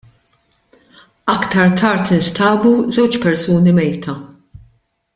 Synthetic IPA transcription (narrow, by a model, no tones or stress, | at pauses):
ɐkt̪ɐɾt̪ʰɐɾt̪ɪnst̪ɐːbuzɛwt͡ʃpɛɾsuːnimɛjt̪ʰɐ